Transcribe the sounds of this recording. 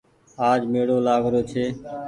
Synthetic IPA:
aːd͡ʒmeːɽoːlaːʋɾoːt͡ʃʰeː

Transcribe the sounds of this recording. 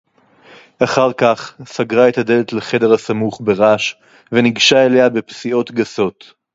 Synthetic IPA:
aχaʁkaχsaɡʁaet̪ade̞let̪leχe̞de̞ʁasamuχbe̞ʁaʃ | veniɡʃaele̞habepsio̞t̪ɡaso̞t̪

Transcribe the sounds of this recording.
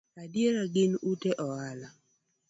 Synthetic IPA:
adjeɾaɡɪnuteʔɔala

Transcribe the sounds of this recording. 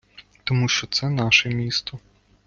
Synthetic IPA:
t̪ɔmuʃt͡ʃɔt̪sɛnɑʃɛmʲist̪ɔ

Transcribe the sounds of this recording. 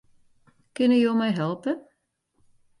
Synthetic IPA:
kɪnəjoːmɛjɦɛlˠpə

